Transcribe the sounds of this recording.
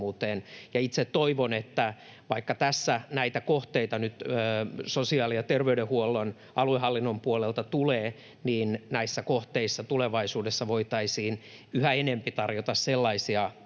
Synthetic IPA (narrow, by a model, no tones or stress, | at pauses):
uːt̪eːnjɑit̪set̪toiʋonet̪ːæ | ʋɑikːɑt̪æsːænæit̪ækoht̪eit̪ɑnyt̪ːsosiɑːlijɑt̪erʋeydehuolːon | ɑluehɑlːinːompuolelt̪ɑt̪uleː | niːnnæisːækoht̪eisːɑt̪uleʋɑisuːdesːɑʋoit̪ɑisiːnyhæenempit̪ɑrjot̪ɑsselːɑisiɑ